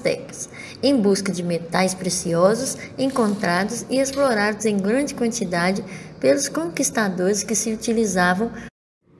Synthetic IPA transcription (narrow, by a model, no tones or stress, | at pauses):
t̪ɛ̰kɐs | ẽj̃buskɐd͡ʒɪmet̪ajspɾesiɔzʊsẽŋkõnt̪ɾad̪ʊsɪesploɾad̪ʊzẽj̃ɡɾɐ̃d͡ʒɪkwɐ̃nt͡ʃid̪ad͡ʒɪpelʊskõŋkist̪ad̪oɾɪskɪsɪut͡ʃilizavɐ̃w̃